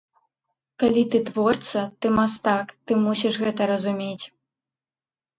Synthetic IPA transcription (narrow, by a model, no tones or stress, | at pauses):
kalʲit̪ɨt̪vɔrt̪sɐt̪ɨmast̪akt̪ɨmusʲiʂɣɛt̪ɐɾɐzumʲet͡sʲ